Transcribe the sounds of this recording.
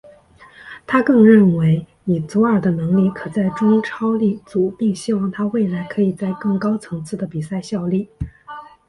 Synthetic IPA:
t̪ʰa˥kɤ˥˧ŋɻə˥˩nwe˧˥ɪ | ni˨˩t͡su˧˥ə˞˨˩d̪ə˦nɤ˧˥ŋli˥˩kʰɤ˨˩t͡sa˥˩ɪʈ͡ʂʊ˥ŋʈ͡ʂʰɑ˥ʊli˥˩t͡su˨˩pi˥˩˧ŋɕi˥wɑ˥˩ŋt̪ʰa˥we˥˩ɪla˧˥ɪkʰɤ˧˥i˨˩t͡sa˥˧ɪkɤ˥˩ŋkɑ˥ʊt͡sʰɤ˧˥ŋt͡sʰɹ̩˥˩d̪ə˩pi˨˩sa˥˧ɪɕjɑ˥˧ʊli˥˩

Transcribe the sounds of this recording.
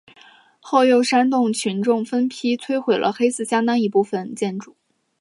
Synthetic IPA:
xo˥˧ʊjo˥˧˩ʊʂa˥nt̪̬ʊ˥˩ŋt͡ɕʰy˧˥nʈ͡ʂʊ˥˩ŋfə˥npʰi˥t͡sʰwe˥ɪxwe˨˩ɪlʔə̰˦xe˥ɪsɹ̩˥˩ɕjɑ˥ŋt̪ɑ˥ŋi˧˥pu˥˩fə˨˩nt͡ɕjɛ˥˩nʈ͡ʂu˨˩˦

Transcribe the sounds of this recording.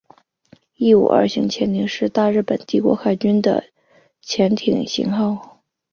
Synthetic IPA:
i˥˩ṵ˨˩ʔə̰˞˥˧ɕi˧˥ŋt͡ɕʰjɛ˧˥nt̪ʰi˧˥ŋʂɻ̩˥˧t̪a˥˧ɻɻ̩˥˩pə˨˩nt̪i˥˩kwɔ̰˧˥xa˧˥˩ɪt͡ɕy˥nd̪ə̰˨ | t͡ɕʰjɛ˧˥nt̪ʰi˨˩ŋɕḭ˧˥ŋxɑ˥˩ʊ

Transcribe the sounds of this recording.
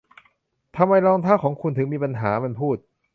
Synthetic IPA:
t̪ʰa˧mːa˧jɾɔː˧ŋt̪ʰaː˥˩kʰɔː˩˦ŋkʰu˧nt̪ʰɯ˩˦ŋmiː˧pa˧nɦaː˩˦ma˧npʰuː˥˩t̪̚

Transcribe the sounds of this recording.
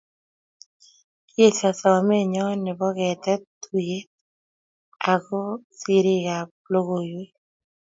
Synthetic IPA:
je˦sa˨sɔ˨me˦ɲɔ˦nɪ˨bɔ˦ɡɛ˨t̪ɛ˦t̪u˨je˦ | a˨ɡo˦si˨ɾɪ˦ɡa˨plo˦ɣo˨jwe˦

